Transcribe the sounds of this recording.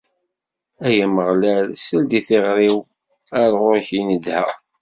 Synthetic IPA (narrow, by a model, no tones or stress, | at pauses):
æjæməʁlælsəld̪iθɪʁɾiw | æɾˤʁoɾçinəd̪hæ̰